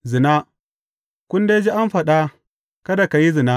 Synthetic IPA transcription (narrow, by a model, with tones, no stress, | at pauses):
zɪ˨na˦ | kʷʊ˦ndeː˦d͡ʒi˦ʔa˦mɸɐ˨ɗa˦ | kɐ˦da˨ka˨ji˦zɪ˨na˦